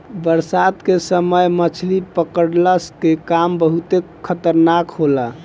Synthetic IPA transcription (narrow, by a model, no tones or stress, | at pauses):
bəɾsad̪kesəməjmət͡ʃʰlipəkəɽləskekambəɦut̪e | kʰət̪əɾnakɦola